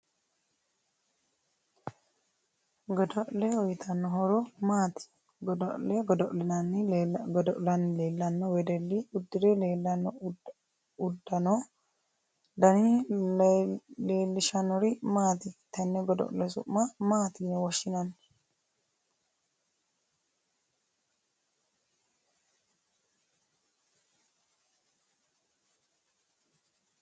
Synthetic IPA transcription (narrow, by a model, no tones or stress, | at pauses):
ɡɔd̪ɔʔlɛɔjt̪ʰɐnːɔɦɔɾɔmaːt̪ɪ̥ | ɡɔd̪ɔʔlɛɡɔd̪ɔʔlɛnɐnːɪɡɔd̪ɔʔlɐnːɪleːlːɐnːɔwɛd̪ɛlːiʊd̪ːɪdɛle̞ːlːɐnːɔ | ʊd̪ːɐnɔ | d̪ɐni | le̞ːlːɪʃɐnɔɾɪmaːt̪ɪt̪ɐnːɛɡɔd̪ɔ̰ʔlɛsʊ̰ʔːɐmaːt̪ɪnɛwɔʃːɪnɐnː